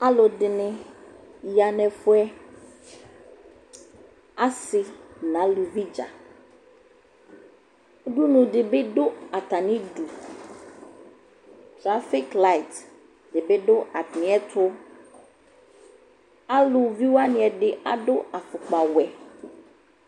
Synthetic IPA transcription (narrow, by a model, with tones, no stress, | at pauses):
a˦lʊ˨dɪ˨nɪ̃˦ | ja˨nɛ̃˨fʊ˦ɛ˦ | a˦sɪ˨nã˨˦lu˨vi˦d͡ʒa̰˨ | o˦ɖu˦nũ˨ɖɪ˨bɪ˦ɖʊ˦a˨t̪a˨nɪ̃˦ɖu˨ | tɾa˦fi˦kla˦˨i˨t | dɪ˨bɪ˦ɖʊ˦a˨tnɪ̃˨˦ɛ˦t̪ʰʊ˦ | a˦lʊ˨vi˦wa˦nɪ̃˨ɛ˨ɖɪ˨ʔa˨ɖʊ˦a˨fʊ˨k͡pa˨wɛ˨